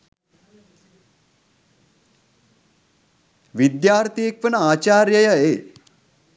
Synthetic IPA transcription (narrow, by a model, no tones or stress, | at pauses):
ʋid̪jaːɾt̪ijekʋənəaːt͡ʃaːɾjəjəeː